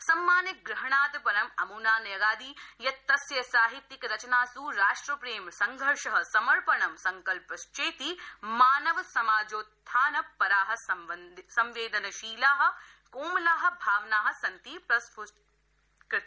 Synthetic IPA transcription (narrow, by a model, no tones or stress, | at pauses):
sɐmːaːnjɐɡɾɪɦɐɳaːd̪ɐpɐɾɐmɐmuːnaːnɐjɐɡaːd̪ijɐt̪ːɐsjɐsaːɦit̪ːikɾɐt͡ʃɐnaːsuːɾaːʂʈɾɐpɾeːmsɐŋɡʱɐɾʃɐɦɐ̆sɐmɐɾpɐɳɐmsɐŋkɐlpɐst͡ʃeːt̪imaːnɐʋɐsɐmaːd͡ʒoːt̪ʰːaːnɐpːɐɾaːɦɐ̆sɐʋɐnsɐmʋeːd̪ɐnɐʃiːlaːɦɐ̆ | koːmɐlaːɦɐ̆bʱaːʋnaːɦɐ̆sɐnt̪ipɾɐspu | k̪